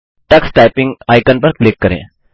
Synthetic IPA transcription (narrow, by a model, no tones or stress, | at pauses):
ʈəksʈajpiŋɡajkənpəɾklekːəɾḛ̃